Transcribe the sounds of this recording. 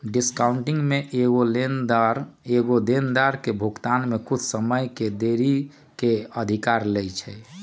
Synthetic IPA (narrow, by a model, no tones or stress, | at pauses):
ɖiskauɳʈiŋɡmeʔeɡolend̪aɾeɡod̪end̪aɾkebʱukt̪anmekut͡ʃʰsəməjked̪eɾi | keəd̪ʱikaɾlɛjt͡ʃʰɛ